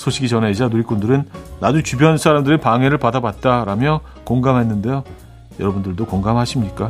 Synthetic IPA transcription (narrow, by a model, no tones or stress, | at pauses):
sʰoɕʰiɡit͡ɕʌned͡ʑanuɾik͈undɯɾɯnːad͡ʑut͡ɕubjʌnsʰaɾamdɯɾepaŋe̞ɾɯɭpadabat̚t͈aɾamjʌ | koŋɡamɦenːɯnde̞jo | jʌɾʌbundɯɭdokoŋɡamɦaɕʰimɲik͈a